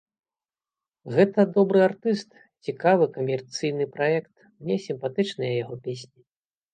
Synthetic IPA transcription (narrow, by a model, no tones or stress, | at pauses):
ɣɛt̪ɐd̪ɔbɾɨart̪ɨst̪ | t͡sʲikavɨkɐmʲɛrt̪sɨjnɨpɾajɛkt̪ | mnʲɛsʲimpat̪ɨt͡ʂnɨjɐjaɣɔpʲesʲnʲi